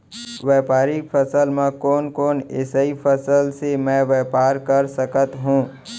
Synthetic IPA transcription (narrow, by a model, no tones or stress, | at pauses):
ʋɛːpaːɾipʰəsəlmẽkɔːnkoːnḛːsəifʰəsəlsemɛ̃ːʋɛːpaːɾkəɾsəkət̪ɦũː